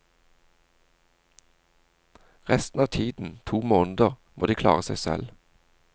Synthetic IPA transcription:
ʁɛst̪n̩ɑːʋt̪ʰiːd̪n̩t̪ʰuːmoːnəd̪əʁmoːd̪iːkʰlɑ̰ːʁəsæɪsɛ̰l

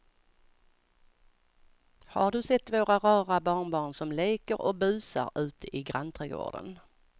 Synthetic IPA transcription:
ha̰ɖɵsɛt̪ːvoːɾaɾɑːɾabɑːɳbɑːɳsɔmleːkəɾɔk̚bʉ̟ːsa̰ɾʉ̟ːt̪əʔɪɡɾant̪ʰɾɛːɡo̰ːɖə̰n

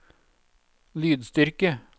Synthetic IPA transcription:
lyːd̪st̪ʏɾkə

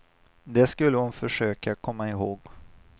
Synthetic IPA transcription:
d̪ɛskɵlːəhʊnfœʂøːkakʰɔmːaɪɦoːɡ

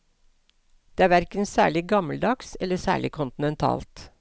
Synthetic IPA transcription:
d̪̥eːæːʋæɾkənsæːɭɪɡɑməld̪ɑksɛlːəsæ̰ːɭɪkʰʊnt̪ɪn̩ɛnt̪ʰɑ̰ːlt̪

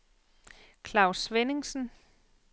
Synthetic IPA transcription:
kʰlɑ̈ʊsʋene̝ŋsn̩

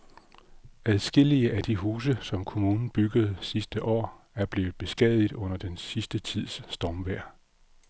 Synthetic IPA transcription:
æðˠsɡ̥e̝l̰iəʔæd̥iɦuːsəsɒ̽mkʰo̝muːnn̩b̥yɡ̥əð̞̩ˠsisd̥əʔɒ̰ː | æɐb̥le̝̰ːʊð̩ˠb̥e̝sɡ̥ɛ̰ð̞ˠiðˠɔ̽n̰ɐd̥ensisd̥ət͡sʰið̞̰ˠsːd̥ɒːmʋæɐ̰

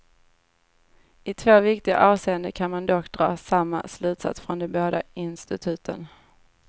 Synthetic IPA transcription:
ɪt̪ʰvoːvɪk̚t̪ɪɡa̰ʔɑːvseːənd̪əkʰanmand̪ɔkːd̪ɾɑːsamːa̰slʉ̟ːt̪sa̰t̪sfɾɔnd̪ɛboːd̪aɪnst̪ɪt̪ʰʉ̟ːt̪ʰə̰n

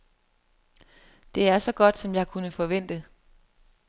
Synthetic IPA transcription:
d̥e̝æɐsɒ̽ɡ̥ɒ̽d̥sɒ̽mjɑ̈ɪkʰunəfɒ̽ʋen̰d̥ə

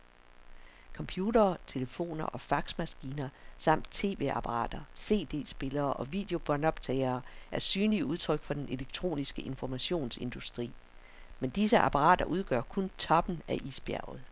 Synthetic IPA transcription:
kʰɒ̽mpʰjuːdɐːt͡sʰe̝ləfo̝̰ːnɐ̰ʔɒ̽fɑ̈ɡ̥smæsɡ̥iːnɐsɑ̈m̰d̥̚t͡sʰe̝̰ːʋe̝̰ɑ̈pʰɑʁɑ̰̈ːd̥ɐse̝̰ːd̥e̝̰ːsb̥e̝lɐːʔɒ̽ʋid̥e̝o̝b̥ɒnɒ̽b̥̚t͡sʰɛɪɐːæɐsyːnliuð̞ˠt͡sʰʁœɡ̥fɒ̽d̥enʔe̝leɡ̥̚t͡sʰʁo̝̰ːnisɡ̥əʔe̝nfɒmæɕo̝̰ːnse̝nd̥usd̥ʁḭː | mend̥isəʔɑ̈pʰɑ̈ʁɑ̰̈ːd̥ɐʔuð̞ˠɡ̥ɶɐ̰kʰɔ̽nt͡sʰɒ̽b̥n̩æʔisb̥jæɐʊð̩ˠ

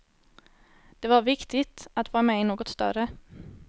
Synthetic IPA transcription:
d̪̥ɛvaɾvɪkt̪ɪt̪at̪vɑːɾamɛɪnoːɡɔt̪st̪œ̰ɾə

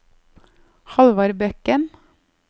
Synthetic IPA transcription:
hɑlʋɑɾbœkən

